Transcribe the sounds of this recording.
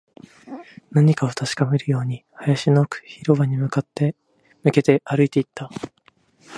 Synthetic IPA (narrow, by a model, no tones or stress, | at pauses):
naɲ̟ikao̞t̪aɕi̥kame̞ɾɯ̟jo̞ːɲ̟ihajaɕino̞kɯ̥çiɾo̞βaɲ̟imɯ̟kat̪ːe̞ | mɯ̟ke̞t̪e̞ʔaɾɯ̟it̪e̞it̪ːa